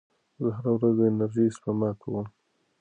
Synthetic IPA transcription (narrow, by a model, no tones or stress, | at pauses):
daɦaɾawɾazd̪əɪnaɾʒispamɑkʰawəm